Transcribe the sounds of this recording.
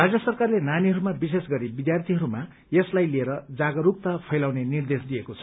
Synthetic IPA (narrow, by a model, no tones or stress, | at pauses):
rad͡zjʌsʌrkarlenaniɦʌɾumabisesɡʌɾibid̪jart̪ʰiɦʌɾuma | jeslajlieɾʌd͡zaɡʌɾuk̚t̪apʰʌjlawnenird̪esd̪ijekot͡sʰʌ̥